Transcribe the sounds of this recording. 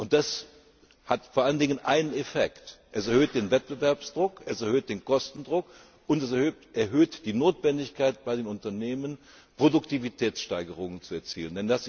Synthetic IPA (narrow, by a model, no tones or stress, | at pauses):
ʔʊnt̚d̥as | hatfoːɐʔaləndɪŋənʔaɪnənefɛktʔɛsɛɐhøːt̚d̥eːnvɛt̚b̥əvɛɐpsd̥ʁʊkʔɛsɛɐhøːt̚d̥eːnkɔstn̩dʁʊk | ʔʊntɛsɛɐhøːʔɛɐɦøːtd̥iːnoːtv̥ɛndɪçkaɪtb̥aɪdeːnʊntɐneːmən | pʁ̥odʊktivitʰɛːt͡sʃtaɪɡəʁ̞ʊŋənt͡suɛɐt͡sḭːləndɛndas